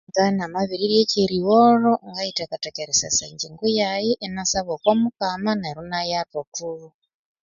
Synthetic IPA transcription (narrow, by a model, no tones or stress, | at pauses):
ŋɡanamaβiɾiɾiet͡ʃeɾiworoŋɡaitakatakeɾesa̰sand͡ʒiŋɡujajiʔenasaβokwamukamanaɾunajatotuːru